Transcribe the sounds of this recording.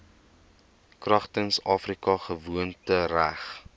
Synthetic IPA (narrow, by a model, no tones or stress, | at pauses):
krɐχtənsɑːfrikɐχəvuəntəræχ